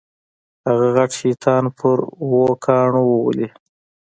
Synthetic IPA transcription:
haɣaɣaʈʃit̪ʰɑːnpʰʊɾwokʰɑːɳowəw̰li

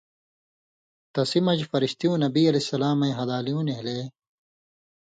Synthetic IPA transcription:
t̪ɐsimɐd͡ʑfɐɾiɕt̪ijũːnɐbiːɐlesɐlaːmɐĩɦɐd̪aːlijũːneɦleː

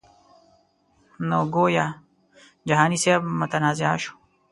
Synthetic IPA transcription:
noːɡoːja | d͡ʒɐɦaːniseːbmɐt̪ɐnaːziaːʃu̥

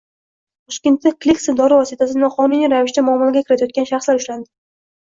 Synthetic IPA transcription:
t̪ʰɒʃkʲɪnt̪ːɪk̚ʲklʲiksɪd̪ɒɾɪvɒsɪt̪ʰasɪnɪχɒmɪniɾavɪʃt̪amʊɒmːɒlˠaɡʲakʰʲɪɾɪt̪ʰɛjɒt̪̚kʲanʃaχslaɾʊʃland̪ɪ

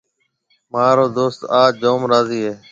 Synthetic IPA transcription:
maːɾoːd̪oːst̪aːd͡ʒoːmɾaːziːɦeː

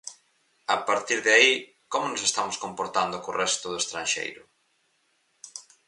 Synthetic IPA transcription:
apaɾt̪iɾðeai | komʊnosest̪amʊskompoɾt̪and̪ʊkorɛst̪ʊðʊest̪ɾanʃḛjɾʊ

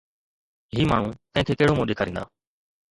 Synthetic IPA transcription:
ɦiːmaːɳ̤ũːk̪ə̃ɦɪ̃k̪ʰeːkeːɽomũːɗeːkʰaːɾĩnd̪a̰ː

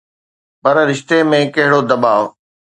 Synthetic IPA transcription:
pɐɾɾɪʃt̪emẽkɐɦɪɽod̪ɐbaːʋ

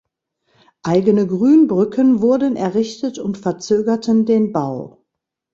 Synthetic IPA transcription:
ʔaɪɡənəɡʁyːnbʁʏkʰənvʊɐdənʔɛɐʁɪçtətʊntfɛɐt͡søːɡɐtʰəndeːnbaʊ

